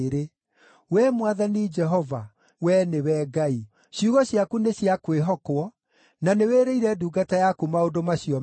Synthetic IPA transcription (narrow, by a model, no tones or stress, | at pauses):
ɾe | wɛmwaðanid͡ʒɛɦɔva | wɛnewɛɡai | ɕjuɣɔɕjakuneɕjakweɦɔkwɔ | naneweːɾeiɾɛduɡatajakumaondomaɕiɔ